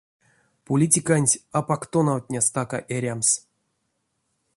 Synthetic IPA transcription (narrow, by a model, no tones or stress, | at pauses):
polʲitʲikanʲtʲapakt̪onawt̪ʲnʲast̪aka̰ʔeɾʲams